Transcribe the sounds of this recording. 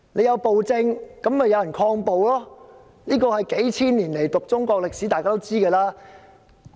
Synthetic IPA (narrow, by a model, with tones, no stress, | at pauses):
ne˨˧jɐ˨˧wpo˨wt͡sɪ˧ŋkɐ˨˥mɐ˨˩jɐ˨˧wjɐ˨˩nkʰɔː˧ŋpo˨wlɔː˥ | niː˥kɔː˧hɐ˨jke˨˥jt͡sʰiː˥nliː˨˩nle˨˩jt̪ʊ˨k̚t͡sʊ˥ŋkʷɔː˧k̚lɪ˨k̚si˨˥t̪aː˨kaː˥t̪o˥wt͡siː˥kəː˧laː˥